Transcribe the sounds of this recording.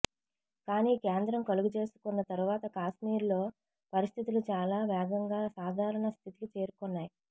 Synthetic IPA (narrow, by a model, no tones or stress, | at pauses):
kaːniːkeːnd̪ɾɐmkɐluɡut͡ʃe̞ːsu̥kunːɐt̪ɐɾuʋaːt̪ɐkaːʃmiːɾlo̞ː | pɐɾist̪ʰit̪ulut͡ʃaːlaːʋɛːɡɐŋɡaːsaːd̪ʱaːɾɐɳɐst̪ʰit̪i̥kit͡ʃe̞ːɾukonːaːji